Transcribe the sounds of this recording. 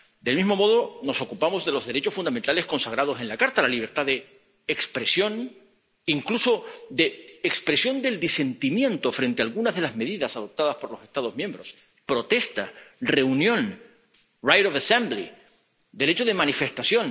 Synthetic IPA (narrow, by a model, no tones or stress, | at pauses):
d̪e̞lmizmo̞mo̞ð̞o̞no̞so̞kupamo̞zðe̞lo̞zðeɾe̞t͡ʃo̞sfund̪ament̪ale̞sko̞nsaɣ̞ɾaðo̞se̞nlakaɾt̪alaliβ̞e̞ɾt̪aðe̞ː | kspɾe̞sjo̞n | iŋkluso̞d̪e̞ːkspɾe̞sjo̞nd̪e̞ld̪ise̞nt̪imjẽ̞nt̪o̞fɾe̞nt̪ealɣunazðelazme̞ðiðasaðo̞p̚t̪aðaspo̞ɾlo̞sest̪að̞o̞zmje̞mbɾo̞s | pɾo̞t̪e̞st̪are̞unjõ̞n | rajɾoβasẽmbli | d̪e̞le̞t͡ʃoð̞e̞manife̞st̪asjo̞n